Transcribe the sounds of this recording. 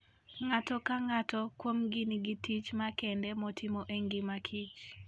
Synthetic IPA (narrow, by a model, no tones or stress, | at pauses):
ŋatɔkaŋatɔkwomɡiniɡitit͡ʃmakɛndɛmɔtʰimoʔeŋɡɪmakʰit͡ʃ